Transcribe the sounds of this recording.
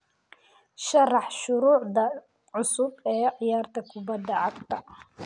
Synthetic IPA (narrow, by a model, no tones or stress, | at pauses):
ʃɐrɑħʃʊɾuːʕd̪ɐ | ʕʊsʊbɛːʕɪjaːrt̪ʰɐkʰʊbɐd̪ːɐʕɑɡt̪ʰɐ